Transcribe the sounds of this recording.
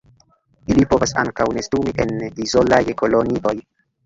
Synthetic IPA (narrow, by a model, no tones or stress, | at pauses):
ilipo̞vasa̰ŋkawnestumiʔe̞ndizo̞lajko̞loniʔo̞j